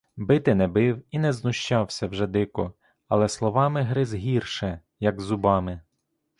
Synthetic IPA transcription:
bɪt̪ɪnɛbɪwinɛznʊʃt͡ʃɑwsʲɐwʒɛd̪ɪkɔ | ɐlˠɛslˠɔʋɑmɪɦɾɪzɦʲirʃɛ | jɐɡzʊbɑmɪ

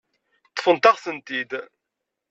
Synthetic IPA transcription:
t͡sːə̥fənt̪aʁsənt̪id̪

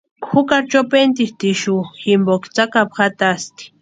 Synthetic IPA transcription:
kxukaɾt͡ʃopent̪iht̪iʃuximbokt͡sakapxat̪ast̪i̥

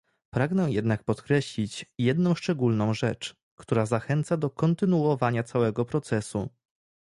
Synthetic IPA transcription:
pɾaɡnɛ̃jɛd̪nak̚pɔt̪kɾɛɕlʲit͡ɕjɛd̪nɔ̃w̃ʂt͡ʂɛɡulnɔ̃w̃ʐɛt͡ʂ | kt̪uɾazaxɛnt̪sad̪ɔkɔnt̪ɘnuɔvaɲat̪sawɛɡɔpɾɔt̪sɛsṵ

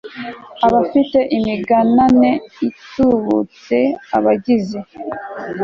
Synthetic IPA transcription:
aβafite̞ʔimiɡanane̞ituβṵt͡se̞a̰βaɟize

